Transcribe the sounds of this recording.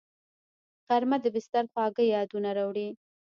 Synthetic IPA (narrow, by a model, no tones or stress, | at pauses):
ɣaɾmad̪əbɪst̪aɾxwɑɡəjɑd̪unaɾɑwɽi